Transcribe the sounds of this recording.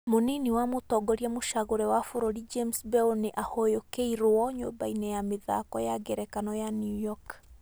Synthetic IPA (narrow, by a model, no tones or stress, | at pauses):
moniniwamotɔɡɔɾiamoʃaɣoɾɛwafoɾoɾid͡ʒemsbɛoneʔahojokeiɾoɔɲo̰mbainɛjameða̰kɔjaɡɛɾɛkanɔjanujɔk